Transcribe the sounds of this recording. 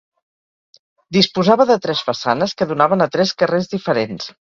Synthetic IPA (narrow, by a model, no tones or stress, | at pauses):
d̪ispuzaβəðət̪ɾɛzfəsanəskəðunaβənət̪ɾɛskərezðifəɾens